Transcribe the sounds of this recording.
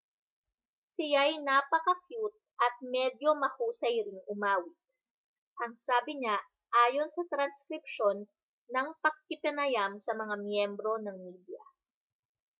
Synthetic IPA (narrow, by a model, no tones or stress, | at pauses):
sɪjajnaːpɐkɐkjut̪̚ʔɐt̪̚mɛd̪jo̞mɐhuːsɐjɾɪŋʔʊmaːwɪt̪̚ | ʔɐŋsaːbɪɲa | ʔaːjo̞nsɐt̪ɾɐnskɾɪp̚ʃonː | ɐŋpɐɡ̚kɪpɛnɐjamsɐmɐŋamjɛmbɾo̞nɐŋmiːd̪jɐ̰